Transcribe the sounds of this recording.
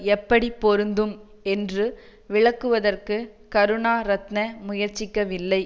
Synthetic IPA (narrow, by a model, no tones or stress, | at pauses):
ɛpːɐɽipːɔɾɯnd̪ɯm | ɛndrɯ | ʋɪɭɐkːɯʋɐðɐrkɯ | kɐɾɯɳaːɾɐt̪nɐmʊjɐɾt͡ʃːɪkːɐʋɪlːɐɪ